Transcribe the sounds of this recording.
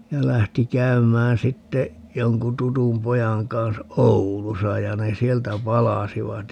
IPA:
jɑ læhti kæymæːn sitːe joŋku tutum pojɑŋ kɑnsɑ oulusɑ jɑ ne sieltæ pɑlɑsiʋɑt

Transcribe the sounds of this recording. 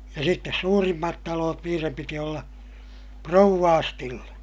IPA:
jɑ sitːes suːrimːɑt tɑloːt niːrem piti olːɑ prouʋːɑːstilːe

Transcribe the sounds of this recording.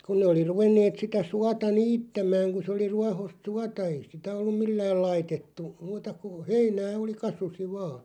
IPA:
kun ne oli ruʋenːeːt sitæ suɑtɑ niːtːæmɑːŋ ku se oli ruɑhost suɑtɑ ei sitæ olːum milːæːl lɑitetːu muːtɑ ku heinæː oli kɑsusi ʋɑː

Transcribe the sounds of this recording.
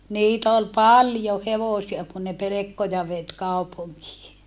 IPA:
niːt ol pɑljo heʋosiɑ kun ne pelekːojɑ ʋet kɑupuŋkiː

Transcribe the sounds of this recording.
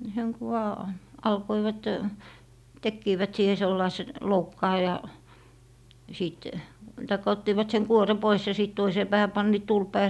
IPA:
seŋ ku ʋɑː ɑlkoiʋɑt tekːiːʋæt siːhe selːɑise loukːɑː jɑ siˑt tɑikːɑ otːiːʋɑt seŋ kuore pois jɑ siˑt toiseː pæːhæ pɑnːiːt tulpɑ jɑ

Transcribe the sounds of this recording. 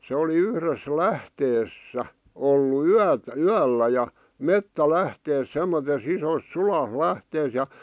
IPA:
se oli yhres læhteːs sæ olːu yæt yælːæ jɑ metːælæhteːs semːotes isos suɑ læhteːs jɑ

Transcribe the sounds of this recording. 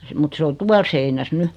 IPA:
mut se o tuɑl seinæs ny

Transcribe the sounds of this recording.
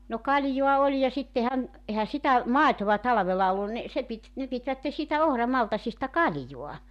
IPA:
no kɑljoɑ olʲ jɑ sitːehæn ehæ sitæ mɑˑetoʋɑ tɑlɑ̆ʋelɑ olːun ni se pit ne pitʋætːe siːtæ ohrɑmɑltɑsistɑ kɑljoɑ

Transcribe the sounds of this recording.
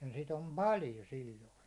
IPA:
jɑ sit om pɑljo silʲloi

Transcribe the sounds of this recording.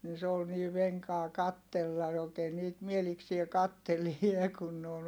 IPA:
ni se ol niː ʋeŋkɑː kɑtːelːɑ oːkeː niːt mieliksie kɑtːelie kun ne on

